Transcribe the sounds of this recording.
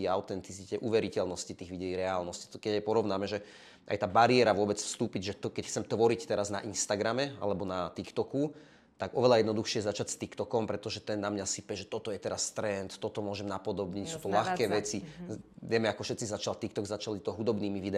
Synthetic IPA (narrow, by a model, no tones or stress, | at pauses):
iaʊt̪ɛnt̪it͡sicɛʔuːʋɛɾicɛlnɔscit̪iːɣʋiɟɛiːɾɛaːlnɔsci̥kɛɟjɛpɔɾɔʊnaːmɛʒɛ | ʔa̰jt̪aːbaɾiɛɾaʋʊɔbɛt͡sfst̪uːpiɟʒɛt̪ɔkɛcxt͡sɛmt̪ʋɔɾict̪ɛɾazna̰ʔinst̪aɡɾamɛa̰lɛbɔnat̪ikt̪ɔku | t̪aɡɔʋɛlajɛd̪nɔd̪uxʃɪɛjɛzat͡ʃacst̪ikt̪ɔkɔmpɾɛt̪ɔʒɛt̪ɛnːamɲasipɛʒɛt̪ɔt̪ɔjɛt̪ɛɾast̪ɾɛnt̪ːɔt̪ɔmʊɔʒɛmnapɔd̪ɔbɲicsuːt̪ɔlaxkɛːʋɛt͡siʋɛmɛakɔfʃɛt̪t͡sizat͡ʃalt̪ikt̪ɔɡzat͡ʃalit̪ɔɦud̪ɔbniːmiʋid̪ɛ